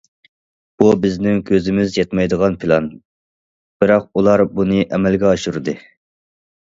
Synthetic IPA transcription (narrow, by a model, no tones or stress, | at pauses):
b̥ubɪznɪŋkʲʰøzɪmɪzjɑt̪mɑjd̪əʁɑnpʰɪlˠɑn | b̥ɪɾɑq̚ulˠɑɾbunɨʔɛmɛlɡʲɛɑʃuɾɨd̪ɨ